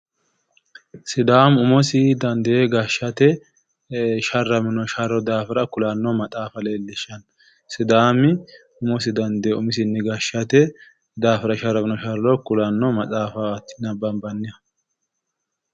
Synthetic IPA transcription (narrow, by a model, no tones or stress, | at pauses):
sɪd̪aːmʊmɔsɪd̪ɐnd̪ɛjeɡaʃɐt̪ɛ | ʃɐrːɐmɪnɔʃɐɾɔd̪aːfɪɾɐkʊlanːɔmɐt͡sʼaːfɐleːlːɛʃɐn | sɪd̪aːmɪ | ʊmɔsɪd̪ɐnd̪ɛeʊmɪs̬ɪnːɛɡaʃɐt̪ɛ | d̪aːfɪɾɐʃɐɾːɐmɪnɔʃɐɾɐlɔkʊlɐnːɔmɐt͡sʼaːfɐt̪ːɪnɐbɐnbɐnːɪjɐ